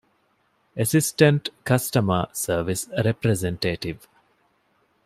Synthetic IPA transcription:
esisʈɐ̃ɳʈkɐsʈɐməsəːʋisɾepɾezẽɳʈeːʈiʋ

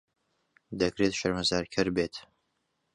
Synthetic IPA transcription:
d̪ɐkɾet̪ʃɐɾmɐzaːɾkʰɨɾbeːt̪

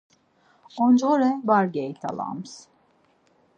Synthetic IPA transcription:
ond͡ʒoɾɛbaɾɡejt̪ʰa̰lˠa̰ms

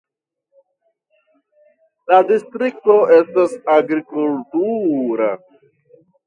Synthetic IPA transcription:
ladistɾik̚to̞ʔe̞stasaɡɾikultuɾa̰

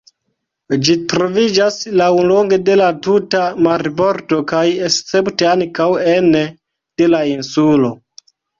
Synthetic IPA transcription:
d͡ʒitɾo̞vid͡ʒaslawlo̞ŋɡe̞de̞latutamaɾibo̞ɾto̞kajest͡se̞pteankawene | d̥e̞lainsulo̞

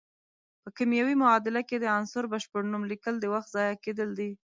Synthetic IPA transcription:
pəkimjawimʊɑd̪ɪlaked̪əansʊɾbaʃpəɽnumlikəld̪əwaxt̪zɑjaked̪əld̪i

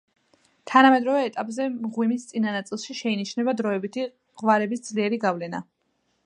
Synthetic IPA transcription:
t̪ʰanamɛd̪ɾɔvɛːt̪ʼapʼzɛmʁwimist̪sʼinanat̪sʼilˠʃiʃɛiniʃnɛbad̪ɾɔɛbit̪ʰi | ʁvaɾɛbisd̪zliɛɾiɡavlɛna̰

